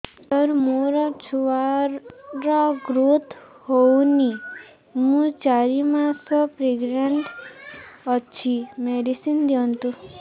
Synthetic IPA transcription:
səɾmoɾat͡ʃʰua | ɾaɡɾut̪ | honi | mũt͡ʃaɾimãsɔpɾeɡɾeɳʈ | ət͡ʃʰimeɖisind̪jɔ̃nt̪u

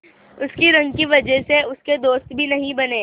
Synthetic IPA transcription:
ʊskiɾɐ̃ŋɡkiʋɐd͡ʒɛseʊsked̪oːst̪bʱinɐɦĩbɐneː

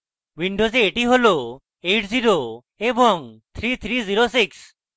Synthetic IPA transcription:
ʋiɳɖozeːʈiɦolo | eʈziɾo | ebɔŋt̪ʰɾit̪ʰɾiziɾosiks

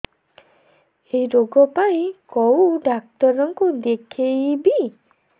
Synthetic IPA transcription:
ejɾoɡɔpaĩkɔwɖak̚t̪ɔɾɔŋkud̪ekʰejbi

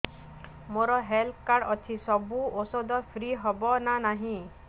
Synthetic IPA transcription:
moɾɔɦelkaɽɔt̪ʰisɔbuosɔd̪ɔpʰɾiɦɔbɔnanaɦĩ

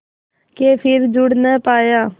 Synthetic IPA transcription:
keːpʰɪɾd͡ʒʊɽnɛ̃ːpaːjaː

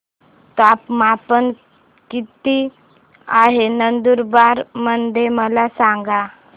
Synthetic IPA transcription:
t̪apmapən | kit̪i | aɦenənd̪uɾbaɾmənd̪ʱeməlasaŋɡa

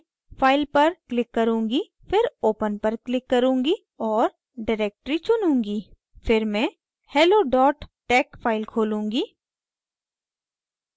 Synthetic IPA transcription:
faːɪlpɐɾklɪkːɐɾũːŋɡi | fɪɾoːpənpɐɾklɪkːɐɾũːŋɡi | ɔːɾ | ɖaɾeːk̚ʈɾit͡ʃʊnũːŋɡiː | fɪɾmɛ̃ | hɛːloːɖɔːʈʈɛːkfʰaːɪlkʰoːlũːŋɡiː

